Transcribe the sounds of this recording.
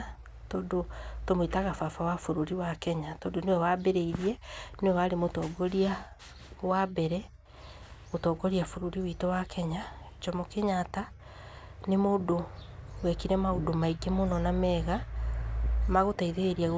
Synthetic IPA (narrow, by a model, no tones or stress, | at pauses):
tɔːndotomoitaɣafafawafoɾoɾiwakɛɲatɔːdonewɛwabeɾeiɾiɛnewɛβaɾemotɔːɡɔɾia | wabɛɾɛ | otɔːɡɔɾiafoɾuɾiwitowakʰɛɲa | t͡ʃɔmokeɲata | nemodowɛkiɾɛmaodomaiɡɛmonɔnamɛːɣa | maɣotaiðeeɾiaɣ